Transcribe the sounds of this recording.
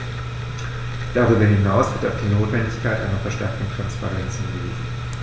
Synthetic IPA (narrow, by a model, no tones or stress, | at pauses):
d̥aʁyːbɐɦɪnaʊsv̥ɪɐta̰ʊfd̥iːnoːtv̥ɛndɪçkʰaɪtʔa̰ɪnɐfɛɐʃtɛɐk̚tŋ̩tʁ̥anspa̰ʁɛnt͡shɪnɡəvḭːzn̩